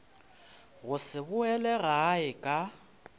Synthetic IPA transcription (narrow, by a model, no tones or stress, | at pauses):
ɣʊsɪbʊɛlɛɣaːɪkʼa